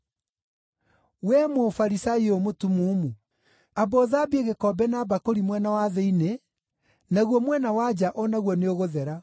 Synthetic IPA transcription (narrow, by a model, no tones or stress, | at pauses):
wɛmofaɾisaiomotumuːmu | abɔðaːbeɣekɔbɛnabakoɾimwɛnawaðɛine | naɣwɔmwɛnawad͡ʑaʔɔnaɣwɔneoɣoðɛɾa